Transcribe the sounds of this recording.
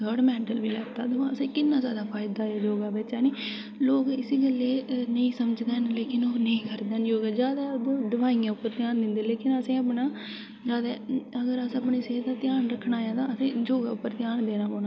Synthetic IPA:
ɡəːɽmɛ̃ːʈəlʋiːlɛːɡt̪a̰ːd̪ʊʋãːəsẽːkɪnːãːzjaːd̪aːpʰaːjd̪aːaːd͡ʒoːɡaːbɪt͡ʃɛːniː | loːkɪsiːɡəlːeːnəĩːsəməd͡ʒd̪eːnleːkɪnoːnəĩːkəɾd̪eːnjoːɡɛːd͡ʒjaːd̪aːd̪oːɖəʋaːijãːʊpːəɾt̪jaːnd̪ɪnd̪eːleːkɪnəsẽːəpɳãː | d͡ʒaːd̪aːəɡəɾəsːəpɳiːseːd̪aːt̪ɪjaːnɾəkʰːɳaːjãːt̪ãːəsẽːd͡ʒoːɡaːʊpːəɾt̪ɪjaːnd̪eːnãːpoːnaː

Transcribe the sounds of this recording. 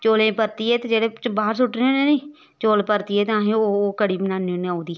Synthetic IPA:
t͡ʃoːlẽːpəɾt̪iːɛːt̪eːd͡ʒeːɽeːbaːɾsʊʈneːneːnĩː | t͡ʃoːlpəɾt̪iːɛːt̪eãːɦẽoːoːkəɽiːbənaːnioneaːũːd̪iː

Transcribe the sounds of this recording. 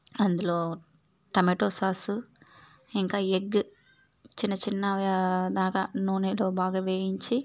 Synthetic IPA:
ɐnd̪uloː | ʈɐmeʈoːsaːsu | iŋkaːjeɡː | t͡ʃinːɐt͡ʃinːɐd̪aːkanoːnelo̞ːbaːɡaːʋeːjiɲt͡ʃi

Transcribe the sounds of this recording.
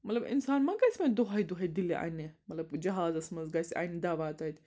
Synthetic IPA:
mɐt̪lɐbḭnsaːnmɐɡajsʲmɐnd̪oɦaːjd̪uɦɐj̚d̪iliʔɐ̰nemɐt̪lɐbd͡ʒɐɦaːzɐsmɐzɡaːsʲʔɐ̰jnid̪aːʋaːt̪ɐt̪ʲ

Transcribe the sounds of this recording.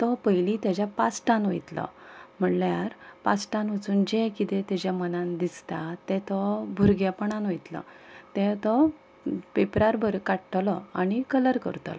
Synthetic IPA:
t̪ɔpəjlit̪jad͡ʑjapasʈãnojt̪lɔ̰m̤əɽljaɾpasʈãnʋət͡suːnd͡ʑekit̪et̪jad͡ʑjamənãnd̪ist̪at̪ɛt̪ɔbʱuɾɡjapəɳãnʋojt̪lɔ̰t̪ɛ̃t̪ɔ | pepɾaɾbʱəɾkaʈʈ̪lɔaɽ̃ikələɾkə̰ɾt̪lɔ

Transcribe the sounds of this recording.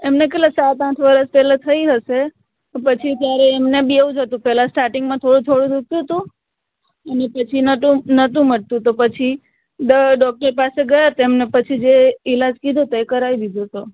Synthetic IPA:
emnek̬eʈlaksat̪ãʈʰʋəɾəspɛlãt̪ʰəiɦəʃe | pət͡ʃʰit̪jaɾeːmnebieũd͡ʒət̪ũpɛlãsʈaɾʈɪŋɡmãt̪ʰoɽũt̪ʰoɽũd̪uk̚t̪ũt̪ũ | ənepət͡ʃʰinəũnət̪ũməɽt̪ũt̪opət͡ʃʰi | d̪əɖɔk̚ʈəɾpaseɡəjat̪oemnepət͡ʃʰid͡ʒeɪlad͡ʒkid̪ʱot̪oekəɾaid̪id̪ʱot̪o

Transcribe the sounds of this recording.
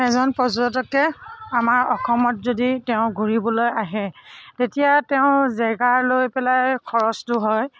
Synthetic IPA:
ɛzɔnpɔzɹɔtɔkɛamaɹɔxʰɔmɔtzoditɛʊ̃ɡʱuɹibɔlojaɦɛtetijatɛʊ̃zɛɡaɹlojpɛlajkʰɔɹɔstʊɦɔj

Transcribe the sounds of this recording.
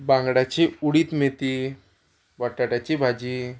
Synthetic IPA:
bãŋɡɽat͡ɕiuɽit̪met̪i | baʈːaʈat͡ɕibʱad͡ʑi

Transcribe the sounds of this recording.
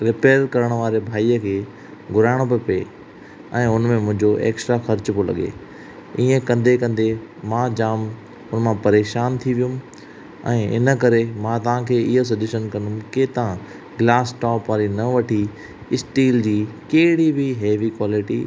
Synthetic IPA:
ɾɪpeːɾkɐɾəɽ̃ʋaːɾebʱaːiːəkʰeː | ɡʱʊɾaːɪɽ̃obɪpe | ɛ̃ːʊnmẽmʊ̃ɦɪ̃ɲd͡ʑoʔḛːksʈɾaxɐɾt͡ɕpolɐ̰ɠḛ | iːẽkɐ̃nd̪ekɐ̃nd̪emãd͡ʑaːm | ʊnmãpɐɾeːʃaːnt̪ʰiʋijũm | ɛ̃ːɪ̰nə̆kɐɾemãt̪ɐʋ̤ãkʰeːɪɦos̬ɐd͡ʑuʃənkɐ̃nʊmket̪ã | ɡlaːsʈɔːpʋaːɾinɐʋɐʈʰi | ɪsʈiːld͡ʑiːkeɪɽibʱiɦeːʋikwaːlɪʈḭ

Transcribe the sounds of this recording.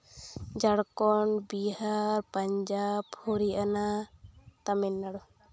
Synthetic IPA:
d͡ʒaɽkɔɳbiɦhaɾpaɲd͡ʒabhoɾiʔana | t̪amɛnːaɽɔ

